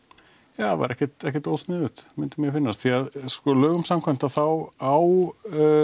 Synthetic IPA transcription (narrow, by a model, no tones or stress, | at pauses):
jaːva̰ɾɛhcɛt̪ɛhcɛɾt̪oːwst̪nɪðʏt̪mʏnt̪ʏmjɛfɪnːast̪θiaðskɔlœːɣʏmsamkʰvajm̥t̪aθawaw